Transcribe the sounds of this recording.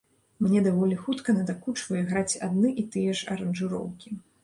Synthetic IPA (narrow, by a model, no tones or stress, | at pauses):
mnʲɛd̪avɔlʲixut̪kɐnɐd̪akut͡ʂvɐjɛɣɾat͡sʲad̪̚nɨʔit̪ɨjɛʂɐ̰ɾɐnʐɨɾɔ̰wkʲi